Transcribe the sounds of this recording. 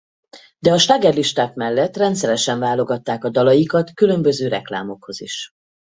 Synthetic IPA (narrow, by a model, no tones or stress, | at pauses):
d̪ɛɒʃt̪aɡɛrliʃt̪aːkmɛlːɛt̪rɛnt̪sɛɾɛʃɛɱvaːlo̞ɡɒt̪ːaːkɒd̪ɒlɒjikɒt̪kylø̞mbø̞zøːɾɛkla̰ːmo̞kho̞ziʃ